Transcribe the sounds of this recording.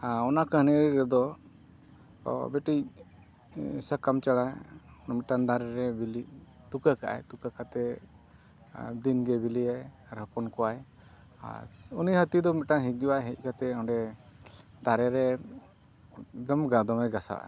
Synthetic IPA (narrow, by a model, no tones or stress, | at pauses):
ɔnakəɦənɛəɾiɾɛd̪ɔ | bɛʈi | sakamt͡ʃaɽajmit̪̚ʈand̪aɾɛɾɛbili | t̪ukaka̰ʔa̰jt̪ukakat̪ɛ | d̪inɡɛbiliaj | ɾəpɔnkɔwaj | a̰ɾunihət̪iud̪ɔmit̪̚ʈaŋɦic̚d͡ʒuwajɦɛc̚ˀkat̪ɛɔɳɖɛ | d̪aɾɛɾɛ | d̪ɔmɡad̪ɔmɛɡasa̰wa̰a̰